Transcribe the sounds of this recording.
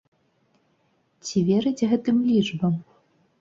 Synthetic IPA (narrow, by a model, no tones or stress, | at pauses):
t͡sʲivʲeɾɨd͡zʲɣɛt̪ɨmlʲiʐbɐm